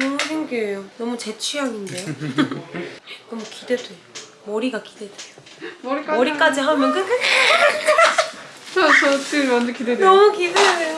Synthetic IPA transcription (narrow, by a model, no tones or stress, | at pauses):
nomudinɡejonʌmut͡ɕe̞t͡ɕʰiɦaɡinde̞ | nʌmukidedejo | mʌɾiɡakide̞dejo | mɾik͈mʌɾik͈ad͡ʑiɦamjʌnkɯ | t͡ɕʰʌt͡ɕʌt͡ɕɯmʌnd͡ʑkidedʌmukidee